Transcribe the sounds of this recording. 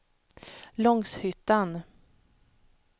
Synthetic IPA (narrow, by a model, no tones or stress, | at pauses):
lɔŋshʏt̪ːan